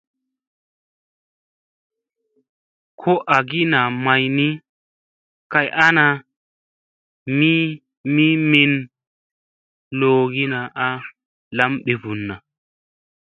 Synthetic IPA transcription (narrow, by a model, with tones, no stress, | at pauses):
kʰɔ˦ʔɐ˨ɡɪ˦na˨mɐ˨jnɪ˦ | kɐ˦jʔa˦na˨ | mi˦ | mi˦mɪ˦˨n | loː˨ɡɪ˦na˨ʔa˦ | lɐ˦mɓɛ˨bʊ˨nːɐ˨